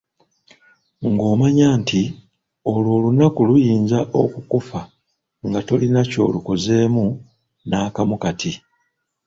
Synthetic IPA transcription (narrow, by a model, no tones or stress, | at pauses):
ŋɡo̞ːmaɲaːnti | o̞lwo̞ːlunakulujiːnzaʔo̞kukufa | ŋɡato̞linaco̞̰ːluko̞ze̞ːmu | naːkamukati